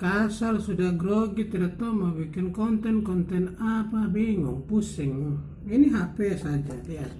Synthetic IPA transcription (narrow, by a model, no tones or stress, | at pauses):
kasalsudaɡɾoɡit̪ɛɾat̪omawikinkont̪ɛnkont̪ɛnapabiŋo̰ŋpusiŋu | iniɦapesad͡ʒadia